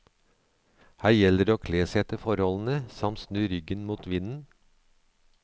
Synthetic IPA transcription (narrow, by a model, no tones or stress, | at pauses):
hæːɾjɛləɖeːoːkʰleːsɛt̪əfɔɾhɔln̩əsɑmt̪snøːɾʏɡənmuːt̪ʋɪnn̩